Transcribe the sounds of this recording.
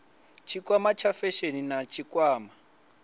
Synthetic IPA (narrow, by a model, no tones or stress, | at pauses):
t͡ʃʰikwamat͡ʃʰafɛʃeninat͡ʃʰikʼwaːma